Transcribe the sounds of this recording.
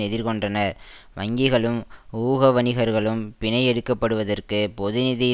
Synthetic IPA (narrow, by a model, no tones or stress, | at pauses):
ɛðɪɾkɔɳdrɐnɐ | ʋɐŋɡɪɣɐɭɯmuːɣɐʋɐnɪɣɐɾɣɐɭɯmpɪnɐɪɛɽɯkːɐpːɐɽɯʋɐðɐrkɯpɔðɪnɪði